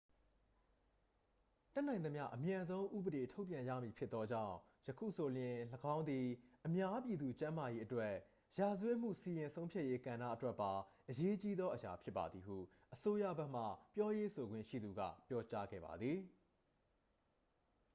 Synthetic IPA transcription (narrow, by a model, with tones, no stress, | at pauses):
tɛ˦n̥ã˨ɪ̃nə˨mja̰˦ʔəmjã˨nzõ˦ʊ̃ʔṵ˦˨bəɾe˨tʰo˦ʊpjã˨jä̰˦˨mji˨pʰjɪ˦t̪t̪ːɔ˦d͡ʑã̰˦˨ʊ̃ | jəkʰṵ˦˨so˨ljɪ̃˨ləɡã˦ʊ̃nd̪i˨ʔəmja˦pji˨d̪u˨t͡ɕã˦ma˨je˦ʔətwɛ˦˨ | ja˨zəwɛ˦m̥ṵ˦˨si˨jɪ̃˨nsʰõ˦ʊ̃mpʰja˦ʔje˦kã˨na̰˦ʔətwɛ˦ʔpːa˨ʔəje˦t͡ɕi˦d̪ðɔ˦ʔəja̰˨pʰjɪ˦pːa̰˨d̪ði˨ɦṵ˦˨ | ʔəso˦ja̰˦˨bɛ˦ʔm̥ä̰˦˨pjɔ˦je˦sʰo˨ɡwɪ̰̃˦˨ʃḭ˦˨d̪u˨ɡä̰˦˨pjɔ˦t͡ɕa˦ɡɛ̰˦˨ba̰˨d̪ði˨